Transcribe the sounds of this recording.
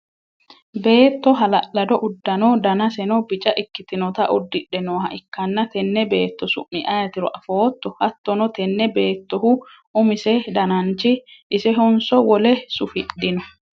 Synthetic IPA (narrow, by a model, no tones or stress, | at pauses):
be̞ːt̪ːɔɦɐlɐʔːɐd̪ɔʔʊd̪ːɐnɔd̪ɐnɐsɛnɔbɪt͡ʃʼɐʔɪkːɪt̪ɪnɔt̪ɐʔʊd̪ːɪᶑːɛnoːhɐʔɪkːɐnːɐt̪ɛnːɛbe̞ːt̪ːɔsʊ̰ʔːɪʔɐjɐt̪ɪɾɔʔɐfoːt̪ːɔhɐt̪ːɔnɔt̪ɛnːɛbe̞ːt̪ːɔɦʊ | ʊmɪsɛd̪ɐnɐnt͡ʃɪʔːsɛɦɔnsɔwɔlɛsʊfɪɗːɪnɔ